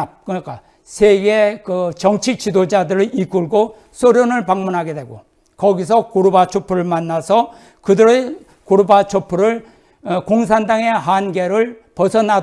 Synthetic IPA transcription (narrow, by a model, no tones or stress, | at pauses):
kɯik͈a | sʰeɡe̞kɯt͡ɕʌŋt͡ɕʰik̚t͡ɕidod͡ʑadɯɾɯɭʔik͈uɭɡo | s͈ʰoɾjonɯɭpaŋmunɦaɡe̞dweɡo | kʌɡis̬ʰʌkoɾubat͡ɕʰopʰuɾɯɭmanːasʰʌ | kɯdɯɾe | koɾubat͡ɕʰopʰuɾɯɭ | koŋs̬ʰandaŋe̞ɦanɡe̞ɾɯɭpʌsʰʌna